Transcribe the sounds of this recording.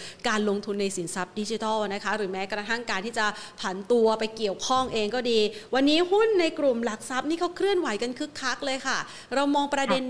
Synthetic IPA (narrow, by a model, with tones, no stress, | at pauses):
kaː˧nlo˧ŋt̪ʰu˧nːa˧jsi˩˦nsa˦˥p̚di˦˥t͡ɕi˧˦t̪ɔ˥˩wna˦˥kʰa˦˥ɾɯː˩˦mɛː˦˥kɾa˧t̪ʰa˥˩ŋkaː˧nt̪ʰiː˥˩t͡ɕa˨˩pʰa˩˦nt̪u˧ɐpa˧jki˨˩əwkʰɔ˥˩ŋʔeː˧ŋkɔː˥˩diː˧wa˧nːiː˦˥hu˥˩nːa˧jkɾu˨˩mla˨˩k̚sa˦˥p̚niː˥˩kʰa˦˥wkʰɾɯ˥˩ənwa˨˩˦jka˧nkʰɯ˦˥kʰːa˦˥k̚lɤː˧jkʰa˥˩ | ɾa˧wmɔː˧ŋpɾa˧de˧n